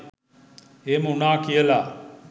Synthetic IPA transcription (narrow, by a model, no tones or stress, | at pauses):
emunaːkijəlaː